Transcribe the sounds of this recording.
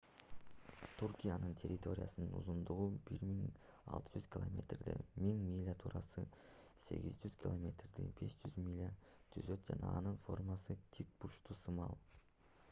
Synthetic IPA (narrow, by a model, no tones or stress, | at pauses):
t̪ʰurkʲijanɯnt̪ʲʰe̞ɾʲɪt̪o̞ɾʲɪjasɯnɯnṵzumd̪uʁubiɾmiŋ | ɑ̰lˠt̪ɯ̥d͡ʒyzkʲlˠomʲe̞̰t̪rd̪emiŋmʲilʲːat̪ʰuːɾɑsɯ | se̞̰ɡʲizd͡ʒyz̥kʲɪlˠomʲe̞t̪rd̪ḭbe̞sd͡ʒyzmʲilʲːa | t̪ʰyzø̞t̪̚d͡ʒɑnɑːnɯnfo̞rmɑsɯt̪ʲʰik̚puʃt̪usɯmɑlˠ